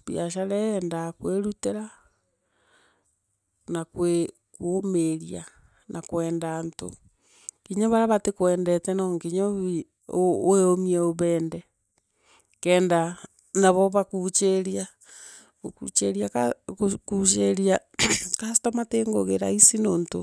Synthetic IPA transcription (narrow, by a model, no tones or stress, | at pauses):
βjaʃaɾɛːndakweɾuteɾa | nakwe | kwomeɾia | nʔakwɛːndanto̰ | kiɲaβaɾaβatekwɛːndɛtɛnoŋkiɲoβi | oeomieoβɛːndɛ | kɛːnda | naβɔβakut͡ʃeɾia | kṵt͡ʃeɾiakakut͡ʃ̬eɾia | kasi̥tomateːŋɡoɣeɾa̰isinoːnto